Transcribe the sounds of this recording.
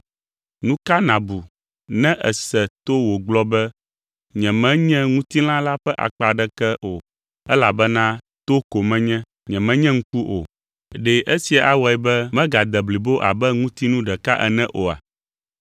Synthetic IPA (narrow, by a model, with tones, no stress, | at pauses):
nũ˦ka˦nã˨bu˨ | nɛ̃˦ʔɛ̰˨sɛ˨t̪o˦wo˨ɡ͡blɔ˦bɛ˦ | ɲɛ̃˨mɛ̃˦ɲɛ̃˦ŋũ˦t̪i˦l̃ã˦la˦ɸɛ˦ʔa̰˨k͡pa˨ɖɛ˦kɛ˦ʔo˨ | ɛ˦la˨bɛ˦nã˦ | t̪o˦ko˨mɛ̃˦ɲɛ̃˦ | ɲɛ̃˨mɛ̃˦ɲɛ̃˦ŋ̩˦ku˦ʔo̰˨ | ɖɛ˨ʔe˦si˨a˨ʔa˨wɔ˨ɛ˨bɛ˦mɛ̃˦ɡa˨d̪ɛ˨bli˨bo˦ʔa̰˨bɛ˦ŋũ˦t̪i˦nũ˦ɖɛ˨ka˦ʔɛ˨nɛ̃˦ʔo˨a̰˨